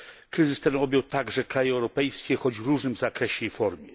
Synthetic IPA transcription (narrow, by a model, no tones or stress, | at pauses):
kɾɘzɘst̪ɛnɔbʲjɔwt̪aɡʐɛkɾajɛɛwɾɔpɛjskʲɛxɔd͡ʑvɾuʐnɘmzakɾɛɕɛjejfɔɾmʲjɛ